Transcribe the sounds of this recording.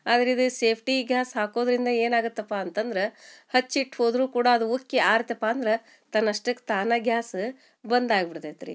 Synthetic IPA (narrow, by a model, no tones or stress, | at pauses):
aːd̪ɐɾid̪useːpʰʈiɡjaːsɦaːkoːd̪ɾind̪ɐe̞ːnaːɡut̪ːɐpːaɐnt̪ɐnd̪ɐɾehɐt͡ʃːiʈːho̞ːd̪ɾuːkuːɽaːd̪uukːeaːɾɐt̪ːeɐpːaːɐnd̪ɾe | t̪ɐnːɐʂʈɐkːt̪aːnɐɡjaːs | bɐnd̪aːɡbiɽt̪et̪ɾḭ